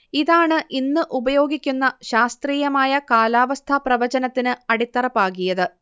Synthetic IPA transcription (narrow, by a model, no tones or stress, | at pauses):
iðaːɳɨʔinːɨʔubɐjo̞ːɡikʲːunːɐɕaːst̪riːjɐmaːjɐkaːlaːʋɐst̪ʰɐprɐʋɐd͡ʑɐnɐt̪ːinɨɐɽit̪ːɐrɐpːaːkːijɐðɨ